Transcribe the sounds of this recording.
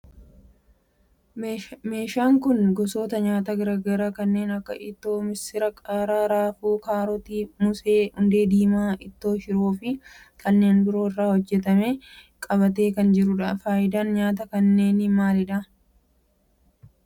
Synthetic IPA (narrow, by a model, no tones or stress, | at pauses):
me̞ːʃaːŋkʊnɡɔso̞ːt̪ɐɲaːt̪ɐɡɐɾɐɡɐɾaːkɐnːe̞ːnɐkːɐ̰ʔɪt̪ːo̞ːmɪsɪɾɐkʼaːɾaːɾaːfuːkaːɾɔt̪iːmʊse̞ːhʊnd̪e̞ːd̪iːmaːɪt̪ːo̞ːʃɪɾoːfɪ | kʰɐnːe̞ːnbɪɾo̞ːɪrːaːhɔd͡ʒːɛt̪̬ɐmeː | kʼɐβɐt̪e̞ːkɐnd͡ʒɪɾʊᶑaːfaːjɪd̪ɐnɲaːt̪ɐkɐnːe̞ːnɪmaːlɪᶑɐ